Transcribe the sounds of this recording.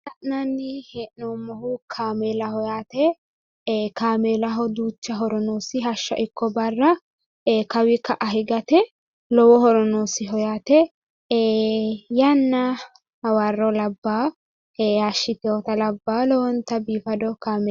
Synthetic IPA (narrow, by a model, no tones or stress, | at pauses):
t̪ɐʔnanːɪheːʔnoːmːɔɦʊkʰaːmeːlɐhɔjaːt̪ɛ | kaːmeːlɐɦɔd̪uːt͡ʃːɐɦɔɾɔnoːsɪɦɐʃːɐ̰ʔɪkʰːɔbɐrːɐ | kɐwɪkɐʔɐɦɪɡɐt̪ɛ | lɔwɔɦɔɾɔnoːsɪɦɔjaːt̪ɛ | jɐnːɐ | wɐrːɔlɐbːaː | aʃːɪt̪ɛwɔt̪ɐlɐbːaːlɔwɔnt̪ːɐbiːfɐd̪ɔkaːmɛ